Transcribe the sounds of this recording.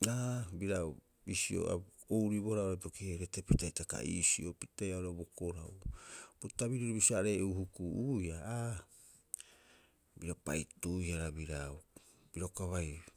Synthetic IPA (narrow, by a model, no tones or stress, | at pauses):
abiɾaw | bisio̞̰a̰owɾiboɾaoɾatokieɾetepitajtaka̰ʔḭsio̞pitajaoɾabokoɾawb̥utaβiɾiɾobisiaɾe̞uhukuujaa | biɾapa̰jtuihaɾabiɾaw | b̥iɾokaβaj